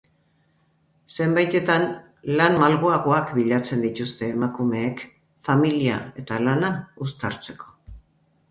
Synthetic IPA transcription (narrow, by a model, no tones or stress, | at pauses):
se̞mbajt̪e̞t̪an | lanmalɣoaɣ̞o̞akbiʎat͡se̞nd̪it̪ust̪e̞ːmakume̞ːk | familia̰e̞t̪alanaust̪aɾt͡se̞ko̞̥